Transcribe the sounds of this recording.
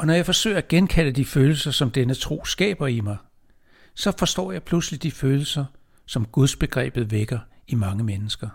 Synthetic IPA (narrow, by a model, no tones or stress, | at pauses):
ɒ̽nɒjɑ̈ɪfɒ̽sø̰ɪɐæɡ̥enkʰæl̰əd̥iføːl̩sɐsɒ̽md̥enət͡sʰʁo̝̰ːsɡ̥ɛ̰ːb̥ɐimɑ̈ɪ | sɒ̽fɒ̽sd̥ɒ̰ːjɑ̈ɪpʰluslid̥iføːl̩sɐ | sɒ̽mɡ̥uðˠsb̥e̝ɡ̥ʁɛ̰ːb̥ð̞̩ˠʋeɡ̥ɐimɑ̈ŋəmenəsɡ̥ɐ